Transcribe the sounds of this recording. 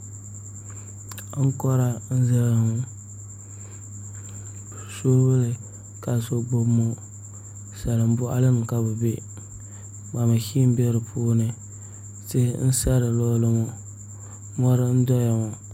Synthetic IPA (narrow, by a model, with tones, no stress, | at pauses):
ŋ̩˦kɔ˦ɾa˦n̩˦za˦lŋʊ˨ | so˦bʊ˦lɨ˨ | ka˨so˦bo˦bmo˦ | sa˨lɨ˨m̩˦bʊ˦ʔa̰˦lɨ˦nɨ˨ka˦bʊ˨be˦ | ba˨ma˨hi˦m˦bɛ˦ɾɨ˨pʰuː˦nɨ˨ | tḛ˦n̩˦sɛ˦ɾɨ˨lɔ˦lɨ˦mu˦ | ŋɔ˦ɾɨ˦n̩˦dɔ˦ja˨ŋu˨